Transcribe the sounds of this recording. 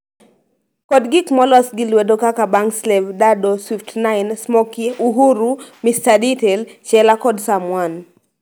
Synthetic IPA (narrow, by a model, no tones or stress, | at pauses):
kɔdɡikmɔlɔsɡɪlwedokakabaŋkslɛvdadoswiftnajnsmɔkiʔuɦuɾumistaditɛlt͡ʃɛlakɔdsamwan